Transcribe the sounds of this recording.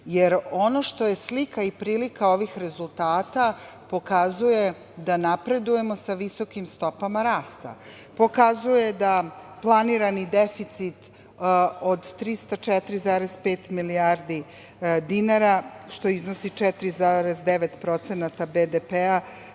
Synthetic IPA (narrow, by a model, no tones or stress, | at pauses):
jeɾo̞no̞ʃt̪o̞je̞slikaipɾiːlikao̞ʋixɾe̞zulˠt̪aːt̪a | po̞kazuje̞ | d̪anapɾe̞d̪uje̞mo̞saʋiso̞kimst̪o̞pamaɾaːst̪a̰ | po̞kazuje̞d̪aplˠaniɾanid̪efit̪sit̪ | od̪t̪ɾist̪at͡ʃɛt̪ɾizaːɾe̞zpeːt̪miliaɾd̪i | d̪inaɾaʃt̪o̞izno̞sit͡ʃɛt̪ɾizaːɾezd̪eʋet̪pɾo̞t̪senat̪abed̪epea